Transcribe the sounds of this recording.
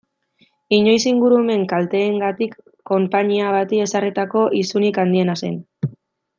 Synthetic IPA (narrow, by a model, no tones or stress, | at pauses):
iɲo̞jsiŋɡuɾume̞ŋkalt̪e̞ːŋɡat̪ikː | o̞mpaɲiaβ̞at̪ie̞sarit̪ako̞ʔisunikand̪ie̞nase̞̰n